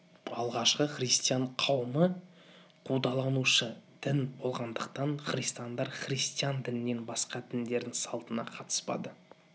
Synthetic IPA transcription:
ɑlˠʁɑʃqəχrijst̪ijaɴqʰɑwəmə | qʰud̪ɑlˠɑnuʃəd̪̥ɪnbo̞lˠʁɑnd̪əqt̪ɑɴχrist̪ijand̪ɑɾχrist̪ijand̪ɪnɪne̞nbɑsqɑd̪ɪnd̪e̞ɾd̪ɪŋsɑlˠt̪ənɑ̰qʰɑt̪ə̥spɑ̰d̪ə

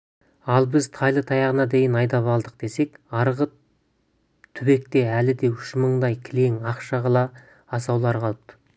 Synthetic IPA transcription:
ɑlˠbɪzt̪ʰɑjlˠət̪ʰɑjɑʁənɑd̪e̞jɪnɑjd̪ɑpɑlˠd̪əq̚d̪e̞se̞kɑɾʁə | t̪ʰʏbe̞k̚t̪e̞ælɪd̪e̞ʏʃməɴd̪ɑjkʲʰɪle̞ŋɑqʃɑʁɑlˠɑː | sɑwlˠɑɾqʰɑlˠəp̚t̪ə̥

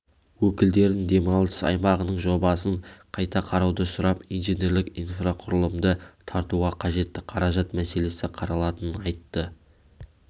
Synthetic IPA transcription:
wɵkʲɪld̪e̞ɾd̪ɪŋd̪e̞mɑlˠə̥sɑ̰jmɑʁənəɴʒo̞bɑsəɴqʰɑjt̪ɑqʰɑɾɑwd̪əsʊɾɑpijnʒenʲe̞ɾlɪkijnfraqʰʊɾəlˠəmd̪ət̪ʰɑɾt̪uʁɑqʰɑʒe̞t̪ːɪqʰɑɾɑʒɑt̪mæse̞le̞sɪqʰɑɾɑlˠɑt̪ənənɑjt̪ːə

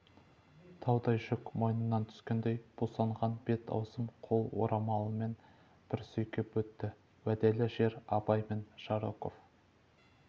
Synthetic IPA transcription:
t̪ʰɑwd̪ɑjʒʏkmo̞jnənːɑnt̪ʰʏ̥skʲend̪e̞jb̥osɑɴʁɑnb̥e̞t̪ʰɑ̰wsəmqʰo̞lˠwo̞̰ɾʔɑmɑlˠəme̞n | b̥ɪɾsɵjkʲepwɵt̪ːɪ | wæd̪elɪʒe̞ɾɑpɑjme̞nʃɑɾoko̞̰f

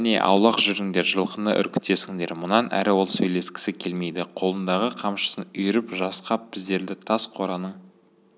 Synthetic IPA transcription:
ne̞̰ʔɑ̰wlˠɑqʒʏɾɪŋd̪e̞ɾʒəlˠqənɑ̰ʔʏ̰ɾkʲɪ̥t̪ːe̞sɪŋd̪e̞̰ɾmʊnɑnʔæ̰ɾɪwo̞lˠsɵjle̞skʲɪ̥sɪkʲʰe̞lme̞jd̪ɪqʰo̞lˠənd̪ɑʁəqʰɑmʃə̥sənʏjɪɾɪpʒɑsqɑp̚b̥ɪzd̪e̞ɾd̪ɪt̪ʰɑsqʰo̞ɾɑnəɴ

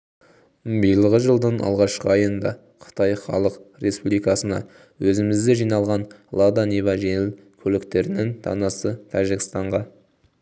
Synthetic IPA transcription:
bijlˠəʁəʒəlˠd̪ənɑ̰lˠʁɑʃqəɑjənd̪ɑ̰ | qʰə̥t̪ɑjχɑ̰lˠəqre̞spublijkɑsənɑ̰ | wɵzɪmɪzd̪eʒijnɑlˠʁɑnlˠad̪anivɑʒe̞ŋɪlkʲʰɵlɪkt̪e̞ɾɪnɪŋt̪ʰɑ̰nɑsət̪ʰɑʒɪkʲɪ̥st̪ɑɴʁɑ

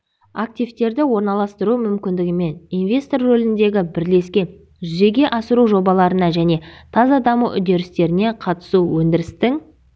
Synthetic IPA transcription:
ak̚t̪ʲijvt̪e̞ɾd̪ɪwo̞ɾnɑlˠɑst̪əɾumʏmkʲɪnd̪ɪɡʲɪme̞ninvʲe̞st̪o̞rːolɪnd̪e̞ɡʲɪbɪɾle̞skʲe̞n | ʒʏze̞ɡʲe̞ʔɑsəɾuʒo̞bɑlˠɑɾənɑʒæne̞t̪ʰɑzɑd̪ɑmuʔʏd̪e̞ɾɪst̪e̞ɾɪne̞qʰɑt̪ə̥suwɵnd̪ɪɾɪst̪ɪŋ

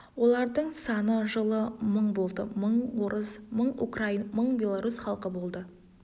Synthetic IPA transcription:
wo̞lˠɑɾd̪əɴsɑnəʒəlˠəməɴbo̞lˠd̪əməɴwo̞ɾəzməɴṵkrainməɴbʲe̞lˠaɾusχɑlˠqəbo̞lˠd̪ə

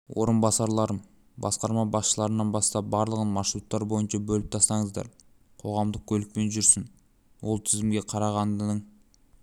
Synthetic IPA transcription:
wo̞ɾənbɑsɑɾlˠɑɾəm | bɑsqɑɾmɑbɑsʃəlˠɑɾənɑnbɑst̪ɑp̚bɑɾlˠəʁənmɑʃɾut̪ːɑɾbo̞jənʃɑbɵlɪp̚t̪ʰɑst̪ɑŋəzd̪ɑ̰ɾ | qʰo̞ʁɑmd̪əq̚kʲʰɵlɪk̚pe̞nʒʏɾsɪn | wo̞lˠt̪ʰɪzɪmɡʲe̞qʰɑɾɑʁɑnd̪əɴ

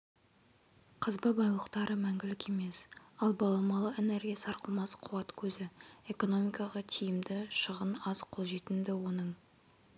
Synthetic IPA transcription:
qʰəzbəbɑjlˠəqt̪ɑɾəmæŋɡʲɪlɪkʲe̞me̞sɑlˠbɑlˠɑmɑlˠəeneɾɡʲijasɑɾqəlˠmɑsqʰuɑt̪kʲʰɵzɪe̞ko̞no̞mʲijkɑʁɑt̪ʰijɪmd̪ɪʃəʁənɑz̥qʰolˠʒet̪ɪmd̪ɪwo̞nəɴ

